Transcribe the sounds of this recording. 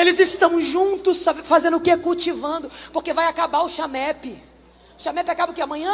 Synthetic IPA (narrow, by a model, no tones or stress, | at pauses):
elɪzɪst̪ɐ̃w̃ʒũnt̪ʊsafazẽnd̪ʊkekuwt͡ʃivɐ̃nd̪ʊpoɾkevajakabaɾʊʃamɛpɪ | ʊʃamɛpɪakabɐkɪamɐ̃ɲɐ̃